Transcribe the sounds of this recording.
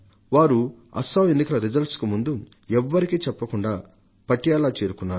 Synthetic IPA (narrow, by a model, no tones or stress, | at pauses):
ʋaːɾu | ɐ̰saːʋenːikɐlɐɾid͡ʒɐlʈskumund̪u | ɛʋːɐɾikiːt͡ʃɛpːɐkuɳɖaː | pɐʈːijaːlaːt͡ʃeːɾukunːaːɾu